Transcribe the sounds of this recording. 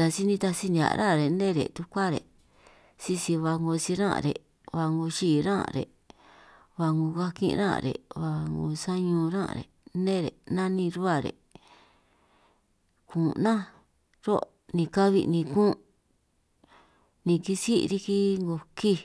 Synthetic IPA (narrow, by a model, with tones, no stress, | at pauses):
a˧si˦nĩ˧t̪a˧si˦nʲ˧ã̰˨˧ɾã̰˦˨ɾe˨nẽ˦ɾḛ˨t̪u˧kʷa˦ɾḛ˨ | si˧si˧βa˧ŋɡo˧si˧ɾã̰˦˧ɾḛ˨ | βa˧ŋɡo˧ʃiː˧˨ɾã̰˦˧ɾḛ˨ | βa˧ŋɡũ˧ka˦kḭ̃˦˧ɾã̰˦˧ɾḛ˨βa˧ŋɡṵ˧sa˦ɲũː˧ɾã̰˦ʔɾḛ˨nẽ˦˨ɾḛ˨nã˦nĩ˧ɾu˦a˧˨ɾḛ˨ | kũ˨nã˦ | ɾo˦ | nĩ˧ka˦βi˧nĩ˧kũ˦ | nĩ˧ki˦si˦˧ɾi˦ki˦ŋɡo˧ki˦